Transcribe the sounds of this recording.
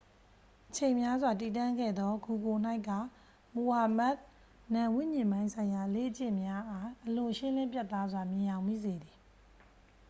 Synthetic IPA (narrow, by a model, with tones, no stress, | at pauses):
ʔət͡ɕʰẽ˨mja˦zwa˨ti˨tã˦˨ŋɡɛ̰˦˨d̪ɔ˦ɡu˨ɡo˨n̥a˦ɪkːa˦˨ | mo˨ha˨ma˦ʔ | nã˨wɪ̰̃˦˨ɲɪ̃˨mbã˦ɪ̃nsʰã˨ɪ̃ja˨lḛ˦ʔt͡ɕɪ̃˦˨mja˦ʔa˦ʔəlʊ̃˨ʃɪ̃˦lɪ̃˦mpjɛ˦t̪ːa˦zwa˨mjɪ̃˨jã˨ʊ̃mḭ˦˨ze˨d̪ði˨